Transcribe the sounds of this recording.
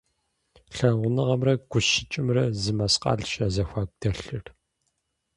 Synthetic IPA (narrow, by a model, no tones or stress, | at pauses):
ɬɐnʁʷʊnɨʁɐmrɐɡʷʊʃɪt͡ʃʼɪmrɐzɨmɐsqɑ̰ːɮʃɐzɐxʷaːk̚ʷʼd̥ɐɬɨr